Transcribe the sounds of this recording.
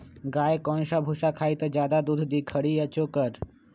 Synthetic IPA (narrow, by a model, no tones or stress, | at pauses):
ɡaːjekɔ̃ːnʃabʱuʃakʰaːit̪əd͡ʒjaːd̪ad̪ud̪ʱd̪ikʰəɽiət͡ʃokəɾ